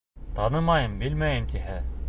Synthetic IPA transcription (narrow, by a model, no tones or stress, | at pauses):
t̪ɑnɤmɑjɤmbɘlmæjɘmt̪ihæ